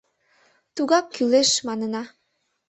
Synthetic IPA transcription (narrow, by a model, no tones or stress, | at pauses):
t̪uɣɑkːyleʃmɑnənɑ